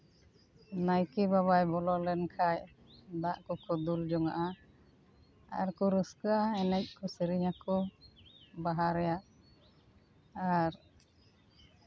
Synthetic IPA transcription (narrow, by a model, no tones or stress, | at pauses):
najkibaβajbɔlɔlɛnkʰaj | d̪aʔkukɔd̪uld͡ʒɔŋaʔa | a̰ɾkuɾuskəʔaɛnɛc̚ˀkɔsəɾiɲakɔ | baɦaɾɛjaʔ | aɾ